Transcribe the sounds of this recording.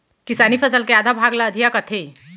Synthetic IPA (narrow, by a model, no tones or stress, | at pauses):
kisanifəsəlkead̪ʱabʱaɡlaəd̪ʱijakət̪ʰe